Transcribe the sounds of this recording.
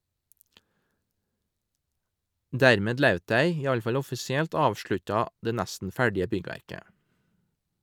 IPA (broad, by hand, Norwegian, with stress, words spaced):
ˈdæɾmeːd ˈlœʉt ˈdæɪ ˈiː ˈɑl ˈfɑl ˈɔfɪsɪɛlt ˈɑːʋʃɭʉtɑ ˈdeː ˈnæstn̩ ˈfæɖɪə ˈbʏɡʋæɾkə